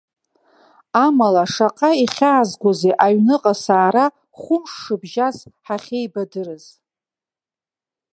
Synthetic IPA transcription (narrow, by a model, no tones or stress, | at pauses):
amalaʂaqʼaiχʲaːzɡʷozeʔaɥnɨqʼasaːɾa | χʷʊmʂːɨbʒazħaχʲejbadɨrɨz̥